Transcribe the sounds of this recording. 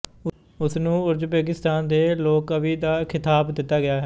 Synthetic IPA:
ʊsnũːʊɾd͡ʒpeːɡɪst̪aːnd̪eːloːkəʋiːd̪aːkʰɪt̪aːbd̪ɪt̪ːaːɡɪjaːɦɛː

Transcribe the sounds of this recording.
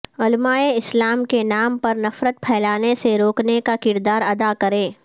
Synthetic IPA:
ʊlmaːeɪslaːmkenaːmpɐɾnɐfɾət̪̚pʰɛːlaːneseɾoːknekakɪɾd̪aːɾɐd̪akɐɾẽː

